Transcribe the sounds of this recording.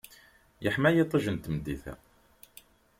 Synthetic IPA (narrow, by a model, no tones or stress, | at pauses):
jəħmæjit̪ˤːəʒənt̪md̪iθæ̰